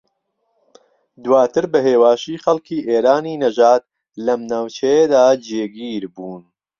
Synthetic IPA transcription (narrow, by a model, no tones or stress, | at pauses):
d̪waːt̪ɨɾbɐɦeːwaːʃiːxɐlkʰiːʔeːɾaːniːnɐʒaːt̪̚ | lɐmnaːwt͡ʃɐjed̪aːd͡ʒeːɡiːɾbuːn